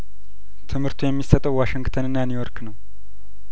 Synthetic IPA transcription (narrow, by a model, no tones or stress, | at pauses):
t̪ʰɨmhɨɾt̪ʰujɛmːisət̪ʼəwwaʃɪŋɡt̪ʰənɨnːanjujoɾknəw